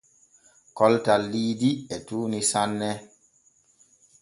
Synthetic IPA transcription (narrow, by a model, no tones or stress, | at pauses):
kɔltalːiːdiɛtuːnisanːɛ